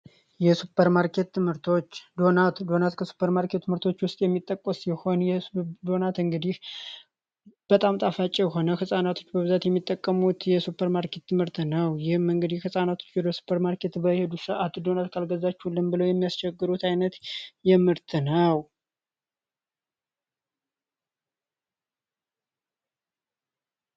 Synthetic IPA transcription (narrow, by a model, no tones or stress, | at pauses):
jɛsupʰːəɾmaɾkʰe̞t̪ːɨmhɨɾt̪ʰo̞t͡ʃːd̪o̞nat̪d̪o̞nat̪kʰəsu̥pʰːəɾmaɾkʰe̞t̪ːɨmɨɾt̪ʰo̞t͡ʃːwʊst̪ʼjɛmːit̪ʼːəkʼːəsjɛho̞njɛɨd̪o̞nat̪ɨŋɡɨd̪ih | b̥ət̪ʼamt̪ʼafat͡ʃʼːijɛɦo̞nəhɨsʼanat̪ʰo̞t͡ʃːbəβɨzat̪jɛmːit̪ʼːəkʼːəmut̪jɛsupʰːəɾmaɾkʰe̞t̪ːɨmɨɾt̪nəwjɪhɨmɨŋɡɨd̪ihhɨsʼanat̪ʰo̞̥t͡ʃːbɨd̪əsu̥pʰəɾmaɾkʰe̞t̪bəhe̞d̪usəʔat̪ud̪o̞nat̪kʰalɡəzat͡ʃːhulːɨmbɨləwjɛmːijast͡ʃɛɡːɨɾut̪ajnət̪jɛmɨɾt̪ʰnəw